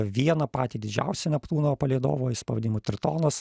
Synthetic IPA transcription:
ʋʲiɛnɐpɑːt̪ʲiːd̪ʲɪd͡ʒʲæ̰ˑʊsʲɛnʲɛplˠuːnopɐlʲiɛd̪o̰ːʋoːjɪspɐʋɐd̪ʲɪnʲɪmut̪ʲɾʲɪt̪oːnɐs

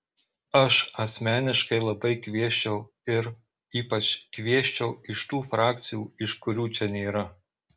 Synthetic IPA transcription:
ɐʃɐsʲmʲæːnʲɪʃkɐɪlˠɐbɐɪkʲʋʲiɛʃʲt͡ʃʲɛʊ | ɪɾ | iːpɐt͡ʃʲkʋʲiɛʃʲt͡ʃʲɛʊɪʃt̪uːfɾɑːk̚ʲt̪sʲɪjuːɪʃkʊɾʲuːt͡ʃʲɛnʲeːɾɐ

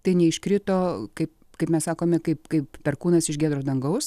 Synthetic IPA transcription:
t̪ɐɪnʲɛɪʃkɾʲɪt̪oːkɐɪp | kɐɪpmʲɛssɑːkoːmʲɛkɐɪpkɐɪppʲɛrkuːnɐsɪʃɡʲæːd̪ɾoːd̪ɐŋɡɐʊs

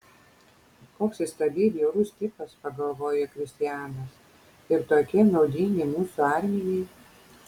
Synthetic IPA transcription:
koːksɪst̪ɐb̪ʲiːbʲɛɾuːsʲt̪ʲɪpɐspɐɡɐlˠʋoːjɛkɾʲɪsʲt̪ʲɪjæːnɐs | ɪɾt̪oːkʲɪnɒʊd̪ʲɪŋʲɡʲɪmuːsuɑɾʲmʲɪjɛɪ

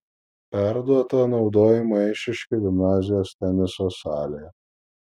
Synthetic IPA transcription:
pʲæɾd̪uɔt̪oːnɒʊd̪oːjɪmɐɪʃʲɪʃʲkʲɪɡʲɪmnɑːzʲɪjoːst̪ʲɛnʲɪsoːsɑːlʲejɛ

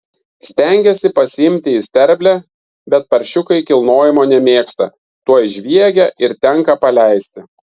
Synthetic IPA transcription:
sʲt̪ʲɛˑŋʲɡʲɛsʲɪpɐsʲɪɪmʲt̪ʲɪɪsʲt̪ʲɛɾʲbʲlʲæ | bʲɛt̪̚pɐɾʲʃʲʊkɐɪkʲɪlˠnoːjɪmoːnʲɛmʲeːkst̪ɐ | t̪uɔjɪʒʲʋʲiɛɡʲɛɪɾt̪ʲɛŋkɐpɐlʲɛɪsʲt̪ʲɪ

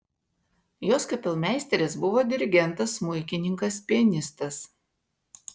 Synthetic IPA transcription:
joːskɐpʲɛlˠmʲæˑɪsʲt̪ʲɛɾʲeːsbʊʋoːd̪ʲɪɾʲɪɡʲɛnˑt̪ɐsmʊɪkʲɪnʲɪŋkɐspʲiɛnʲɪst̪ɐs

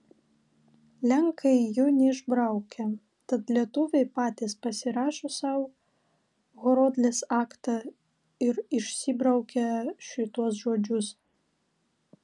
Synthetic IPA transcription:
lʲɛŋkʰɐɪjʊnʲɛɪʒbɾɐʊkʲɛ | t̪ɐt̪lʲiɛt̪ʊʋʲɛɪpɑːt̪ʲɪspɐsʲɪɾɑːʃoːsɑʊ | ɣɔɾoːd̪ʲlʲeːsɑːkt̪ɑ | ɪɾɪʃʲsʲɪbɾɐʊkʲɛʃʲɪt̪uɔs̬ʒoːd͡ʒʲʊs

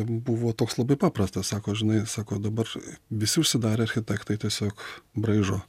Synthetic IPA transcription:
buʋoːt̪oːkslˠɐbɐɪpɑːpɾɐst̪ɐssɑːkoːʒʲɪnɐɪsɑːkoːd̪ɐbɐrʋʲɪsʲɪʊʃʲsʲɪd̪ɑːɾʲeːɐɾʲxʲɪt̪ʲækt̪ɐɪt̪ʲiɛsʲoːkbɾɐɪʒoː

